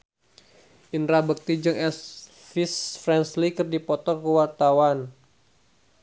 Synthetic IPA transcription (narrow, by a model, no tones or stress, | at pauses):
ʔinɾabək̚t̪id͡ʒɨŋɛs | fisfɾɛnslikɨrdipɔt̪ɔkəwart̪awan